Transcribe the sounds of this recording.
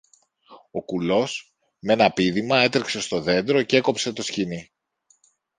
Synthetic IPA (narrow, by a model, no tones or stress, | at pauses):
o̞kulo̞s | me̞nɐpiðimɐe̞t̪ɾekse̞st̪o̞ðe̞nd̪ɾo̞cee̞ko̞pse̞t̪o̞scini